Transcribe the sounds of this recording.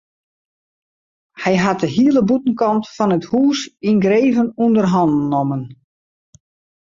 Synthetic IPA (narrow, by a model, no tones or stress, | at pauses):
hɛjɦat̚dəɦiəlˠəbutən̩kɑntfɔnəthuːsinɡreːvənundərɦɔndnːomən